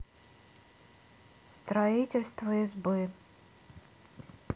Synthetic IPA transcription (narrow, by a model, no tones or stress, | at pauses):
st̪ɾɐitʲɪlʲst̪vəɪzbɨ